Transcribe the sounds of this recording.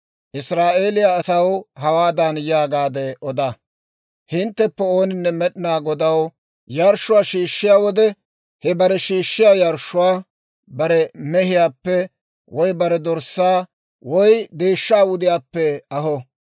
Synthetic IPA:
ʔɪsɾaːʔe̞ːlɪjaːsɐwɦɐwaːd̪anjaːɡaːd̪ɛʔɔd̪ɐ | hɪnt̪ːɛpːɛo̞ːnɪnːɛmɛɗɪnaːɡɔd̪ɐw | jɐɾʃːʊwaːʃiːʃːɪjaːwɔd̪ɛ | hɛbɐɾɛʃiːʃːɪjaːjɐɾʃːʊwaː | bɐɾɛmɛɦɪjaːpːɛ | wɔjbɐɾɛd̪ɔɾsːaː | wɔjd̪eːʃːaːwʊd̪ɪjaːpːɛɐɦɔ

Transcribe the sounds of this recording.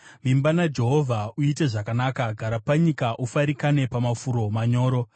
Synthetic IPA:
mimbanad͡ʒe̞ɦo̞vʱauite̞ʐakanakaɡʱaɾapaɲikaʔufaɾikane̞pamafuɾo̞maɲo̞ːɾo̞

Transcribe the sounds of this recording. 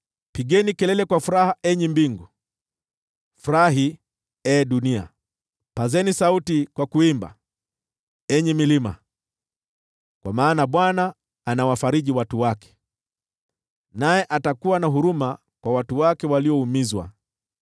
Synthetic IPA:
piɠɛnikɛlɛlɛkwafuɾahaʔɛɲimbiŋɡu | fuɾaɦi | ɛɗunia̰ | pazɛnisautikwakuimba̰ | ɛɲɛmilima̰ | kwamaːnaɓwanaː | nawafaɾiʄiwatuwakɛ̥ | najɛʔatakuwanaɦuɾuma | kwawatuwakɛwaliɔumizwa̰

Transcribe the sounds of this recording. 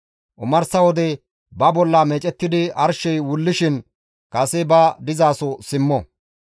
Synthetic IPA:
ʔʊmɐɾsɐwɔd̪ɛ | bɐbɔlːɐmeːt͡ʃʼɛt̪ːɪd̪ɪɐɾʃɛjwʊlːɪʃɪn | kʼɐsɛbɐd̪ɪzaːsɔsɪmːɔ

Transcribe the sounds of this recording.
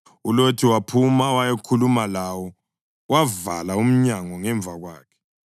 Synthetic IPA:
ulotʰiwapʰumawajekʰulumalawɔ | wava̰laum̩ɲaŋɔŋɛɱbvʱaɣwaːkʰɛ̥

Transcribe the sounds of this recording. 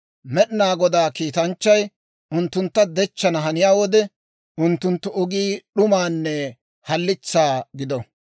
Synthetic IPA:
mɛɗɪnaːɡɔd̪aːkiːt̪ɐnt͡ʃːɐj | ʊnt̪ːʊnt̪ːɐd̪ɛt͡ʃːɐnɐɦɐnɪjaːwɔd̪ɛ | ʊnt̪ːʊnt̪ːʊʔɔɡiːɗʊmaːnːɛ | hɐlːɪt͡sːaːɡɪd̪ɔ

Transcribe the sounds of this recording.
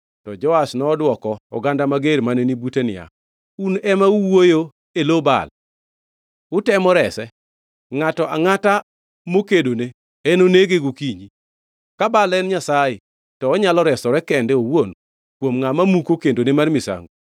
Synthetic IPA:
tɔd͡ʒɔasnɔːdwɔkɔɔ̰ɡandamaɡeɾmanenibutenɪ̰ja̰ | unɛmauwojo | eloba̰l | ʊtɛmɔɾɛsɛ | ŋatɔʔa̰ŋata | mokedone | enoneɡeɡokiɲi | kabalɛnɲasajɪ | tɔːɲalɔɾɛsɔɾɛkɛndeowon | kwomŋamamukokendonemarmisa̰ŋɡo

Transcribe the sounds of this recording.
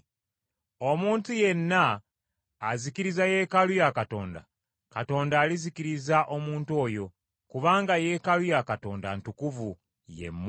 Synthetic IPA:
o̞muːntuje̞nːaː | zikiɾizaje̞ːkalujakato̞ːnda̰ | kato̞ːndaːlizikiɾizaʔo̞muːnto̞ːjo̞ | kuβaːŋɡajeːkalujakato̞ːnda̰ntukuvu | jḛmː

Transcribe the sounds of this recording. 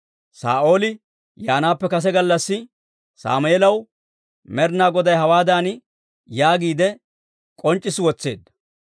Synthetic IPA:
sa̰ːʔo̞ːlɪ | jaːnaːpːɛkɐs̬ɛɡɐlːɐsːɪ | sa̰ːmʊɛlɐw | mɛɾnaːɡɔd̪ɐjɦɐwaːd̪aːn | jaːɡiːd̪ɛ | kʼɔnt͡ʃʼːɪswɔt͡sːe̞̰ːd̪ːɐ̥

